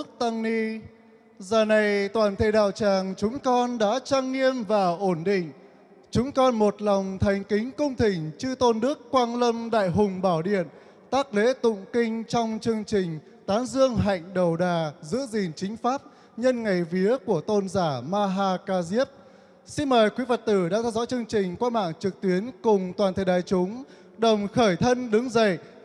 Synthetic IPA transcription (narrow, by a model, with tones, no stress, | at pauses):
k̚t̪a˧ŋni˧ | zəː˨˩na˨˩jt̪waː˨˩nt̪ʰe˧˩ɗa̰ː˧˨wt͡ɕaː˨˩ŋt͡ɕʊ˨˦ŋ͡mkɔ˧nɗa̰ː˧˥t͡ɕaː˧ŋni˧əmvaː˨˩ʔo˧˩nɗḭ˧˨ŋ̟ | t͡ɕʊ˨˦ŋ͡mkɔ˧nmo˨˩t̚lɔ˨˩wŋ͡mt̪ʰa˨˩jŋ̟kï˨˦ŋ̟kə˧wŋ͡mt̪ï˨˩ŋ̟t͡ɕɨ˧t̪o˧nɗɨ˦˥əkːwaː˧nlə˧mɗa̰ː˧˨jɦʊ˨˩ŋ͡mɓaː˧˩wɗḭ˧˨ən | t̪aː˦˥k̚le˨˦t̪ʊ̰˧˨ŋ͡mkï˧ŋ̟t͡ɕɔ˧wŋ͡mt͡ɕɨ˧əŋt͡ɕï˨˩ŋ̟ | t̪aː˨˦nzɨ˧əŋɦa̰˧˨jŋ̟ɗə˨˩wɗaː˨˩zɨ̰˧˥əzi˨˩nt͡ɕï˨˦ŋ̟faː˦˥p̚ | ɲə˧nŋa˨˩jvi˨˦əku˧˩ət̪o˧nzaː˧˩maː˧ɦaː˧kaː˧zi˦˥əp̚ | si˧nməː˨˩jkwi˨˦və˨˩t̚t̪ɨ˧˩ɗaː˧ŋt̪ʰɛ˧wzɔ̰˧˥t͡ɕɨ˧əŋt͡ɕï˨˩ŋ̟kwaː˧nma̰ː˧˨ŋt͡ɕɨ˨˩k̚t̪wi˨˦ənkʊ˨˩ŋ͡mt̪waː˨˩nt̪ʰə˨˩ɗa̰ː˨jt͡ɕʊ˨˦ŋ͡m | ɗə˨˩wŋ͡mxəː˧˩jt̪ʰə˧nɗɨ˨˦ŋzə̰˧˨j